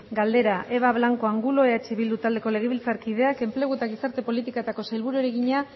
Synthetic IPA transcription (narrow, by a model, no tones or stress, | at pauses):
ɡald̪e̞ɾaʔeβ̞aβlaŋko̞aŋɡulo̞eat͡ʃiβild̪ut̪ald̪e̞ko̞le̞ɣ̞e̞βilt͡saɾkið̞e̞ake̞mple̞ɣ̞ue̞t̪aɣ̞isaɾt̪e̞po̞lit̪ikaet̪ako̞sajlβuɾuɾeɣiɲa